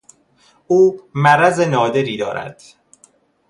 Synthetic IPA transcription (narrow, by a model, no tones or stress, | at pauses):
ʔuːmæɾæzenɒːd̪e̞ɾiːd̪ɒ̰ːɾæ̰d̪̥